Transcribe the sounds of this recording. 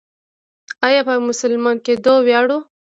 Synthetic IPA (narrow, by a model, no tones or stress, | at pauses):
ajɑpəmʊsʊlmɑnked̪owjɑɽu